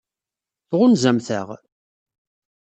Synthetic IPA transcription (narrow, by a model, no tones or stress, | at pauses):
θʁʊnzæmθə̰ʁ